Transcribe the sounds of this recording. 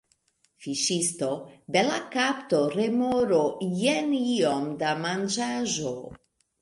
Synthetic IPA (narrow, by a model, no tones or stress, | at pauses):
fiʃisto̞belakaptoɾemoɾojenio̞mdamand͡ʒaʒo